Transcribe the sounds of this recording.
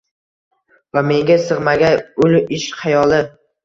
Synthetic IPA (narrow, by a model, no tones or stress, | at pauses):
vame̞ŋɡʲasɨʁmaɡʲaʊlɪʃχɑjɒlˠɪ